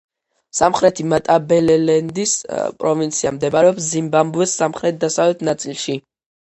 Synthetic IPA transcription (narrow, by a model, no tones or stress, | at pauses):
samχɾɛt̪ʰimat̪ʼabɛlɛlɛnd̪ispʼɾɔvint̪sʰiamd̪ɛbaɾɛɔpszimbambuɛsːamχɾɛt̪̚d̪asavlɛt̪ʰnat̪sʼilˠʃi